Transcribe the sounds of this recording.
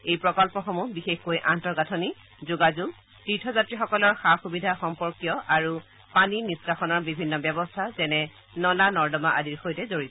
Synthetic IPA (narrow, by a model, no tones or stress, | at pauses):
ejpɹɔkɔlpɔxɔmubixexkojʔantɔɹɡatʰɔni | zuɡazuɡ | titʰɔzatɹixɔkɔlɔɹxaxubidʱaxɔmpɔɹkjɔʔaɹu | paniniskaxɔnɔɹbibʱinːɔbjɛbɔstʰazɛnɛ | nɔlanɔɹdɔmaʔadiɹxojtɛzoɹi